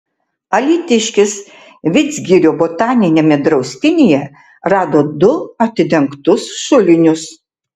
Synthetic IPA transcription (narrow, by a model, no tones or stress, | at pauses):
ɐlʲiːt̪ʲɪʃʲkʲɪs | ʋʲɪd̪zʲɡʲiɾʲoːboːt̪ɑːnʲɪnʲeːmʲɛd̪ɾɐʊsʲt̪ʲɪnʲejɛ | ɾɑːd̪oːd̪ʊɐt̪ʲɪd̪ʲɛŋkt̪ʊsʃʊlʲɪnʲʊs